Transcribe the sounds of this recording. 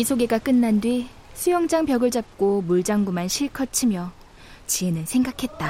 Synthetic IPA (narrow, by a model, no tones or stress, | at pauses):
isʰoɡe̞ɡak͈ɯnːandwɥi | sʰujʌŋd͡ʑaŋpjʌɡɯɭd͡ʑap̚k͈omuɭd͡ʑaŋɡumanɕʰiɭkʰʌt͡ɕʰimjʌ | t͡ɕie̞nɯnsʰe̞ŋɡakʰe̞t̚t͈a